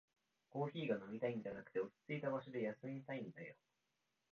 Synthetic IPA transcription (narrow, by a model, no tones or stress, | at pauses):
ko̞ːçiːɡano̞mʲit̪aĩnd̪eanakɯ̟̥t̪e̞ot͡sɨ̥t͡sɨit̪aβaɕid̪ejasɨiɲit̪aĩnd̪ajo̰